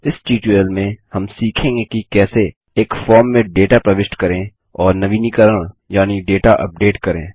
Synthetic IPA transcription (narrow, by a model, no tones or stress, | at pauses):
ɪsʈiːʈuelmẽhɐmsiːkʰẽːŋɡekikɛːse | eːkfɔːɾmːẽɖeːʈapɾɐʋɪʃʈkɐɾẽ | ɔːɾnɐʋiːnikəɾəɽ̃jaːniɖeːʈaʔɐ̰p̚ɖeːʈkɐɾḛ̃ː